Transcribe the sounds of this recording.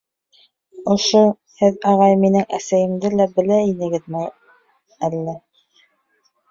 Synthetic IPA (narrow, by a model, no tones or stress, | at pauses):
ŏʃo | hɘðɑʁɑjminɘŋʔæsæjɘ̆md̪ɘlæbɘ̆læinɘ̆ɡɘðmæj | ælːæ